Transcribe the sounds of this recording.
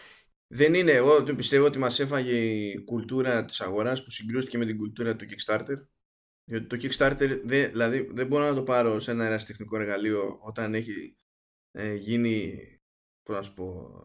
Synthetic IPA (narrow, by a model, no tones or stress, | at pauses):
ðe̞nine̞ːɣot̪ipist̪e̞voot̪imɐse̞fɐʝe̞ikult̪uɾɐt̪i̥sɐɣo̞ɾɐspu̥siŋɡɾust̪i̥ce̞me̞t̪̬iɡult̪uɾɐt̪ucikst̪ɐɾt̪e̞ɾ | ðo̞t̪it̪o̞cikst̪ɐɾt̪e̞ɾðeðilɐðiðebo̞ɾo̞nɐt̪o̞pɐɾo̞se̞nɐeɾɐsi̥t̪exniko̞e̞ɾɣalio̞o̞t̪ɐne̞çi | eʝini | poznɐsu̥po̞